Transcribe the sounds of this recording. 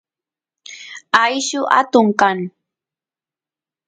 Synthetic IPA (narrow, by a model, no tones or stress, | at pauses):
ajʃʊʔa̰t̪ʊŋkaŋ